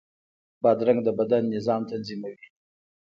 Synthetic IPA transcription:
bɑd̪ɾaŋɡd̪əbad̪anːɪzɑmt̪anzimawi

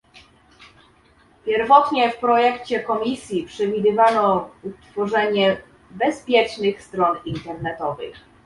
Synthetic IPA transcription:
pʲjɛɾvɔt̪ɲɛfpɾɔjɛkt͡ɕɛkɔmʲisʲjipʂɛvʲid̪ɘvanɔut̪fɔʐɛɲɛ | bɛspʲjɛt͡ʂnɘxst̪ɾɔnint̪ɛɾnɛt̪ɔvɘ̰x

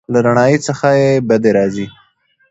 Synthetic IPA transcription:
laɾaɳ̃ɑjit͡səxajebad̪eɾɑzi

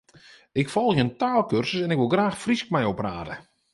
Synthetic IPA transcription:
ɪkfɔlˠɣjəntaːlˠkørsəsɛnɪkʋɪlˠɡraːxfriskmɛjopraːdə̰

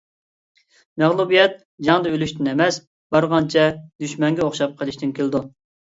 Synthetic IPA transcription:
mɛʁlˠubijɛt̪̚ | d͡ʒɑŋd̪ɑølyʃt̪ɪnɛmɛs | bɑɾʁɑnt͡ʃʰɛd̪yʃmɛŋɡʲɛoχʃɑp̚qʰəlˠɪʃt̪ʰɪnkʲʰeld̪u

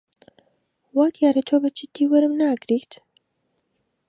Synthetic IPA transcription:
waːd̪jaːɾɐt̪ʰoːbɐt͡ʃʰit̪iwɐɾɨmnaːɡɾiːxt̪

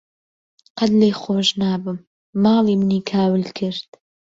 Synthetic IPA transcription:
qɐd̪lejχoːʒnaːbɨmː | ɑːlimnikʰaːwɨlkʰɨɾd̪̥

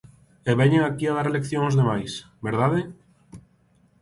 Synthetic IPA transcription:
eβɛɲeŋakiaðaɾelekθjõŋozðemajs | beɾðaðe

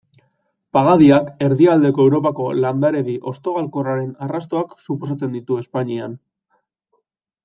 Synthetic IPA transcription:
paɣ̞aðiake̞ɾðiald̪e̞ko̞e̞wɾo̞pako̞land̪aɾe̞βiʔo̞st̪o̞ɣalko̞raɾe̞narast̪o̞aksuposat͡se̞nd̪it̪ue̞spaɲian

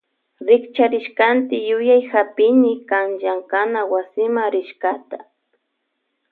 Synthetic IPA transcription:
ɾɪkt͡ʃaɾɪʃkant̪ɪjʊjajxapɪnɪkaŋʒaŋkanawasɪmaɾɪʃkat̪ḁ

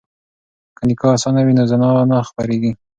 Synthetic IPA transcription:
kənikɑasɑnawinozanɑwanaxpaɾeɡi

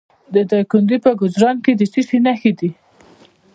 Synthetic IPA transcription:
d̪əd̪ɑjkʊnd̪ipəɡʊzɾɑnked̪ət͡ʃiʂenaxed̪i

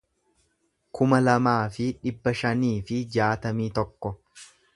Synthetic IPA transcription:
kʰʊmɐlɐmaːfɪᶑɪbːɐʃɐniːfɪd͡ʒaːt̪ɐmiːt̪ɔkːɔ

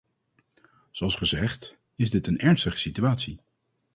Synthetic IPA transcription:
z̥oɑlˠsχəzɛχt | ɪzdɪtənɛɹnstəχə̥sityaːtsi

